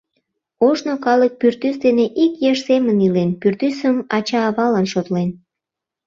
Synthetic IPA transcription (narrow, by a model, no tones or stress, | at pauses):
oʒnokɑlək̚pyrt̪ysd̪eneʔikjeʃsemənilenpyrt̪ysəmɑt͡ɕɑːβɑlɑnʃot̪len